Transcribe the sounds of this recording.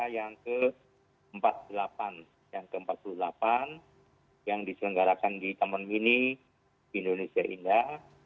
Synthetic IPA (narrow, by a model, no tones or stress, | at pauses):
jaŋkə | əmpat̪̚pululapan | jaŋkəəmpat̪̚pululapan | jaŋdisələŋɡaɾakandit̪amənmini | diːndonesiaʔḭnda